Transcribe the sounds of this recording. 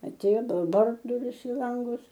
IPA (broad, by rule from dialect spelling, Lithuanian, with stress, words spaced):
ɐˈtʲeːjoː ˈbɐlˠ ˈbɐr dʊˈrʲɪs ɪ ˈlˠɐŋɡʊs